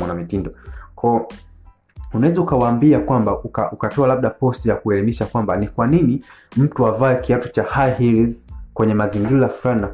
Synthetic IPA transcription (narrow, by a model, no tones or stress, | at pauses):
ɔnamitindɔkʰɔː | unawɛzaukawaːmbiakwambaʔukaʔukatɔalab̚ɗapɔstijakuɛlimiʃakwambanikwanini | m̩tuavaɛkiatɔt͡ʃahajhilizkwɛɲɛmaziŋɡiɾajfɾanina